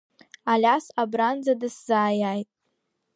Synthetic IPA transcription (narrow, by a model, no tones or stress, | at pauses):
alʲasabrand͡zadɨszaːjaːjtʼ